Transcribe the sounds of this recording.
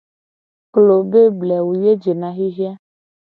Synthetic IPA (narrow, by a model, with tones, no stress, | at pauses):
klo˨be˦blɛ˨wu˨je˦d͡ʒe˨nã˨ɦi˦ɦi˦a˦